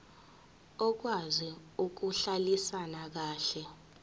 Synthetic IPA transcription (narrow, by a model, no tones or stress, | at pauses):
ɔk̬wazi | uk̬uɬalisanak̬aːɬɛ